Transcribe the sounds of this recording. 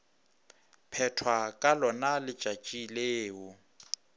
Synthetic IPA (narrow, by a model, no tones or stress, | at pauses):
pʰɛtʰwakʼalɔnalɪ̥t͡ʃʼat͡ʃʼileːʊ